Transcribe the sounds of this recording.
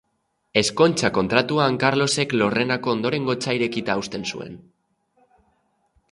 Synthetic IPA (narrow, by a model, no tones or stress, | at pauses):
e̞sko̞nt͡ʃako̞nt̪ɾat̪uaːŋkaɾlo̞se̞klore̞nako̞ːnd̪o̞ɾe̞ŋɡo̞t͡saiɾe̞kit̪aːust̪e̞nsṵe̞̰n